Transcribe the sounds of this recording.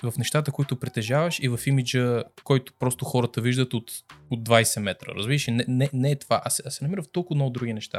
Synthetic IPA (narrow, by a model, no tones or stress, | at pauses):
vɐfnɛʃt̪at̪əkoit̪ʊpɾit̪ɛʒavɐʃivɐfimid͡ʒəkɔjt̪ʊ̥pɾɔst̪ʊxɔɾət̪əviʒd̪ət̪ot̪od̪̚ːvajsɛmɛt̪ɾə̰ɾə̰zbiɾʃɛnɛnɛnɛːt̪va̰ʔasɛɐsɛnɐmiɾəft̪ɔlˠkʊd̪nɔʊd̪ɾuɡʲinɛʃt̪a̰